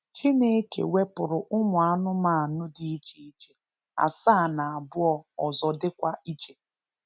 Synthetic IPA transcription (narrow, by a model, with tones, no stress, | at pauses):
t͡ʃi˦ne˦kḛ˨we˦pʊ˨ɾʊ˨ʔʊ˦mʊ˨a˦nʊ˦ma˦˨nʊ˦dɪ˨i˦d͡ʒi˨i˦t͡ʃe˨ | a̰˨saː˦˨na˨a˨bʊ˦ɔ˦ɔ˨zɔ˨dɪ˦kʷa˦i˦d͡ʒe˨